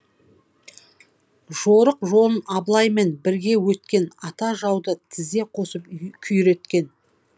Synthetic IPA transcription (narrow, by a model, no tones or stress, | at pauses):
ʒ̥o̞ɾəqʒo̞lˠənɑblˠɑjme̞nbɪɾɡʲe̞wɵt̪kʲe̞nɑt̪ɑʒɑwd̪ət̪ʰɪzd̪e̞qʰo̞səpkʲʰʏjɾe̞t̪kʲe̞n